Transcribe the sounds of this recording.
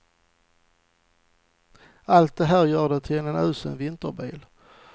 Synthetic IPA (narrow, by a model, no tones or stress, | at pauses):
alt̪̚d̪ɛɦæːɾjœːɖɛt̪ʰɪɛnɛnœːsə̰nvɪnt̪əɾbiːl